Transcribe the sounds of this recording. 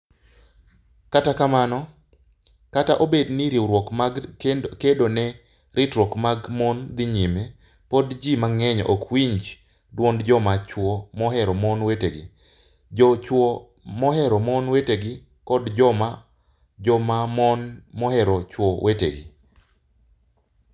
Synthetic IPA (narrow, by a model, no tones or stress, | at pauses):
katakamanɔ | kataʔobedniɾiwɾwɔkmaɡkedonɛ | ɾɪtɾwɔkmaɡmɔnd̪ɪɲɪmɛ | pɔdd͡ʒimaŋɛɲʔɔkwiɲd͡ʒ | dwondd͡ʒɔmat͡ʃwɔmɔɦɛɾɔmɔnweteɡɪ̰ | d͡ʒɔt͡ʃwɔ | mɔɦɛɾɔmɔnweteɡɪ | kɔdd͡ʒɔma | d͡ʒɔmamɔnmɔhɛɾɔt͡ʃwɔwʔetḛɡɪ̰